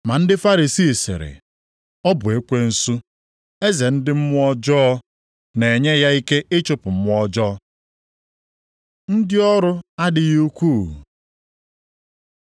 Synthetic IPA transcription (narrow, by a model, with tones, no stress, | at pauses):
ma˨n̩˦dɪ˦fa˦ɾi˨siː˦˨sɪ̰˨ɾɪ̰˨ | ɔ˦bʊ˨e˦kʷe˦n̩˦su˦ | e˦ze˨n̩˦dɪ˦m̩˦mʷ˦ɔ˦d͡ʒɔ˦ɔ˦ | ne˨ɲe˦ja˦i˦ke˦ʔe˦t͡ʃʊ˦pʊ˨m̩˦mʷ˦ɔ˦d͡ʒɔː˦ | n̩˦dɪ˦ɔ˦ɾʊ˦a˦dɪ˦ɣu˦kʷu˦˨